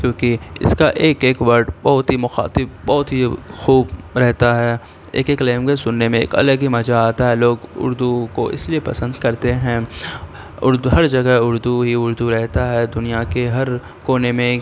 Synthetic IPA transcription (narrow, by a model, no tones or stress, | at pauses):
kjõːkiɪ̰skaʔeːkeːkʋɐɾʈbɐɦʊt̪ɦimʊxa̰ːt̪ɪb̚bɔːʊt̪ɦixuːbɾɛɦt̪aɦɛ | ḛːkeːkleːmkesʊnːemẽḛːkɐ̰ləɡimɐd͡ʒaaːt̪aɦɛloːɡʊ̰ɾd̪uko̰ʔɪ̰sliepɐsə̃nd̪kɐɾt̪eɦɛ̃ | ʊɾd̪uɦɐɾd͡ʒɐɡəɦʊɾd̪uɦiʊɾd̪uɾɛɦt̪aɦɛd̪ʊnijakeɦɐɾ | koːnemẽ